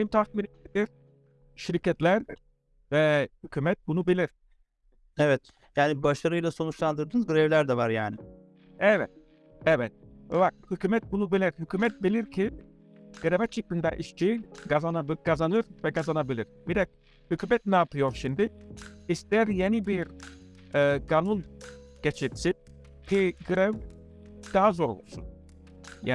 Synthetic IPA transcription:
lʲimt̪ʰak̪miɾied̪iɾ | ʃiɾcʰɛt̪lʲæɾ | vɛhycʰyːmɛt̪̚bunubilʲiɾ̥ | ɛvɛt̪ | jaːnibaʃaɾɯjlˠaso̞nut͡ʃlˠand̪ɯɾd̪ɯnzɡɯɾɛvlʲæɾd̪ɛvaɾjaːnɪ | ɛvɛt̪̚ | ɛvɛt̪̚ɛvak̚hycyːmɛt̪̚bunubilʲiɾhycyːmɛt̪̚bilʲiɾcʰi | ɡ̥ɯɾɛvat͡ʃʰɯkːɯnd̪a̰ʔiʃt͡ʃʰiɡazanabkʰazanɯɾvɛkazanabilʲiɾ̥bid̪ɛk̚ | hycʰyːmɛt̪̚naːp̪ʰɯjoɾʃimd̪ɪist̪æɾjenibiɾ | ɛːɡanunɟ̥et͡ʃʰit̪sin | cʰiɡɯɾɛv | d̪̥aɦazoɾbṵlˠsṵn | ja

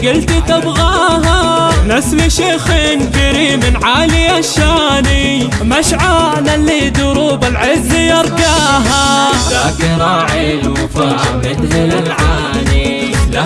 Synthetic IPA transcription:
ɡɪlt̪it̪abɣaːɦanasliʃeːxinkaɾiːmɪnʕaːlijaʃaːni | maʃʕaːnalːid̪ʊɾuːbalʕɪzːijɑɾˤɡaːɦaakɪɾˤɑːʕil | fa | ɪd̪hɪlalʕaː | ni

